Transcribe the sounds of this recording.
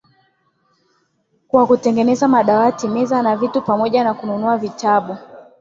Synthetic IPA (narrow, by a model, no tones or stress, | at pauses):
kwakutɛŋɡɛnɛzamaɗawatimɛzanavitupamɔʄanakununuavitaɓu